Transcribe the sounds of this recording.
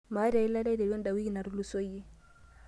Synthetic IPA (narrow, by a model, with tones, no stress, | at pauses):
ma˨˦ɾa˨i˦la˦la˦de˨wɛ˦nda˨wi˦ɡi˨na˨ɾu˨˦lu˦so˦ji˦